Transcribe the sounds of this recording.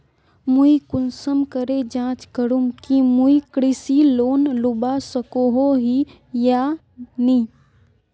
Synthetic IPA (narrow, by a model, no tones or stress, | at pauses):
muikʊnsəmkəɾed͡ʒãːt͡ʃkəɾumkimuikɾɪsiloːnlʊbasəkoɦoɦi | ja | ni